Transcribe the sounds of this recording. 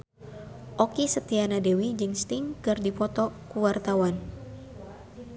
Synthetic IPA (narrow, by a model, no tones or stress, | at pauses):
ʔɔkisət̪ianadewid͡ʒɨŋst̪iŋkɨrdipɔt̪ɔkuwart̪awan